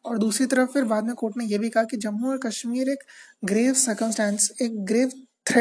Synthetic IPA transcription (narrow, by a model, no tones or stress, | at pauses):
ɔːɾd̪uːsɾit̪ɐɾəfːɪɾbaːd̪mẽkoːʈnejeːbʱikɐɦakid͡ʒɐmːuɔɾkɐʃmiːɾeːkɡɾeːʋsɐɾkə̃msʈɛ̃ːnseːk̚ɡɾeːʋt̪ʰɾe